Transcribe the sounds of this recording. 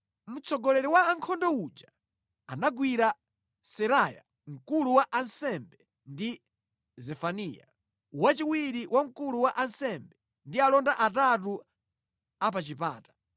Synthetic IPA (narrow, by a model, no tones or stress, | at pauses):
mut͡sʰɔɡɔlɛɾɛwaːŋkʰɔndɔud͡ʒa | anaɡwiɾa | sɛɾaja̰ | ŋ̩kuluwaʔansɛmbɛ | ndi | zɛfaniːja̰ | wat͡ʃiwiɾiwʔaŋ̩kuluwaʔansɛmbɛ | ndialɔndaʔat̬at̬u | ap̬at͡ʃipa̰ːtḁ